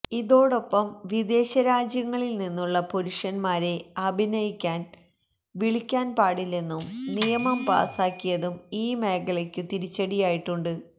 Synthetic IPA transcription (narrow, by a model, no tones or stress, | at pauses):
iðo̞ːɽo̞pːɐmʋid̪e̞ːɕɐɾaːd͡ʑjɐŋːɐɭilninːuɭːɐpo̞ɾuʂɐnmaːɾe̞ɐbʱinɐjikʲːaːn | ʋiɭikʲːaːnpaːɽilːe̞nːumnijɐmɐmpa̰ːsaːkːijɐðumiːme̞ːkɐɭekʲːɨt̪iɾit͡ɕːɐɽijaːjiʈːuɳɖɨ